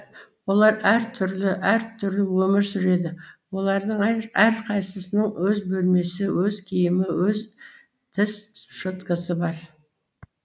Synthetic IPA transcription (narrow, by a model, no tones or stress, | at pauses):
wo̞lˠɑɾæɾt̪ʰʏɾlɪʔæɾt̪ʰʏɾlɪwɵmɪɾsʏɾe̞d̪ɪwo̞lˠɑɾd̪əɴæɾqʰɑjsəsənəɴwɵzbɵlme̞sɪwɵzkʲʰijɪmɪwɵz | t̪ʰɪsʃot̪kəsəbɑɾ